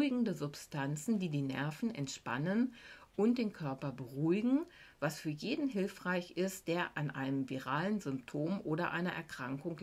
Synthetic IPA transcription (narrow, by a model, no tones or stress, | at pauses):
ɪɡŋ̩dəzʊpstʰant͡sn̩diːdiːnɛ̰ɐfn̩ɛ̰ntʃpa̰nənʔʊnt̚d̥eːnkʰœɐpɐbəʁuɪɡŋ̩vasfyːɐjeːdn̩ɦɪlfʁ̥aɪçɪst̚d̥eːɐʔanʔaɪnəmviʁaːlənzʏmptʰoːmʔoːɾɐʔaɪnɐʔɛ̰ɐkʁ̥aŋkʊŋ